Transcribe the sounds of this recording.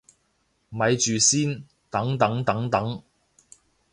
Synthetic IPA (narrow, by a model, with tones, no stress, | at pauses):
mɐ˨˧jt͡ʃyː˨siː˥n | t̪ɐ˨˥ŋt̪ɐ˨˥ŋt̪ɐ˨˥ŋt̪ɐ˨˥ŋ